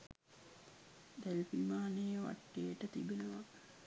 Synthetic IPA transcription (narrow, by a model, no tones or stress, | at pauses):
d̪elfimaːnəjəʋa̰ʈːejəʈət̪ibenəʋa